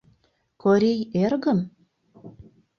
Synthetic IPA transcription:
koɾʲejerɣə̆n

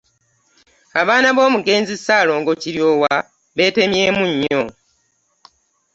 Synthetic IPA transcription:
aβaːnaβo̞ːmuɡe̞ːnzisaːlo̞ːŋɡo̞ciɾjo̞ːwa | βe̞ːte̞mje̞ːmuɲːo̞

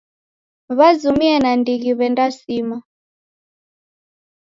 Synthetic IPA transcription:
βazumiɛnandiɣiβɛndasima

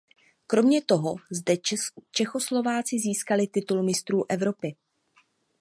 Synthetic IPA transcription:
kɾo̞mɲɛt̪o̞ɦo̞zdɛt͡ʃɛxo̞slo̞vaːt͡sɪziːskalɪt̪ɪt̪ulmɪst̪ɾuːʔɛvɾo̞pɪ

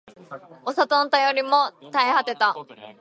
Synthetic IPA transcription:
o̞sat̪õnt̪ajoɾʲimo̞t̪aehat̪e̞t̪a

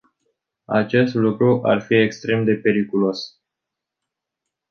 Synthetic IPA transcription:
a̰t͡ʃe̞st̪lukɾuʔarfie̞kst̪ɾe̞md̪e̞pe̞ɾikulo̞s

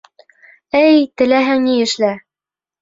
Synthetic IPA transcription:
ɘjt̪ɘ̆læɦɘŋniɘ̆ʃlæ

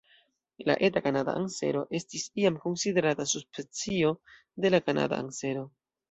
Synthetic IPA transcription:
la̰ʔe̞takanada̰ʔaŋsḛɾo̞ʔe̞stisiamko̞nside̞ɾatasuspet͡sio̞ | de̞lakana̰da̰a̰ŋse̞ɾo̞

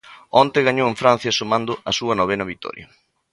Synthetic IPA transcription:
ɔnt̪ɪɣaɲoweɱfɾan̟θjɐsomãnd̪ʊɐsuɐnoβ̞enɐβit̪ɔ̰ɾjɐ̰

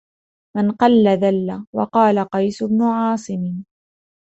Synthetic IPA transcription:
manqɑlːaðalːawɑ̰qɑːlaqɑjsʊbnʊʕɑːsˤɨmɪ

